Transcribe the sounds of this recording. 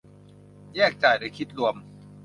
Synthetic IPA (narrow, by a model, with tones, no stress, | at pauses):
jɛː˥˩k̚t͡ɕaː˨˩jdaː˧˩jkʰi˦˥t̪̚lu˧əm